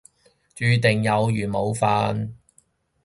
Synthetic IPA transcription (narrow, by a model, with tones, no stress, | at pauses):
t͡ʃyː˧t̪ɪ˨˩ŋjɐ˨˧wjyː˨˩mo˨˧wfaː˧n